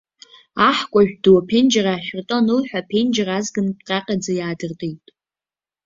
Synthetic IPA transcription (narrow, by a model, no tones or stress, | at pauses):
aħkʷʼaʒᶣduwapʰend͡ʒaraːʃᶣrtʼonɨlħʷᶣapʰend͡ʒrazɡɨnpʼqʼaqʲʼad͡zajaːdɨrtʼejtʼ